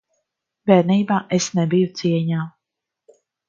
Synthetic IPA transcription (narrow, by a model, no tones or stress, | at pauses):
vɛːɾniːbaːʔesnɛbijut̪siɛɲaː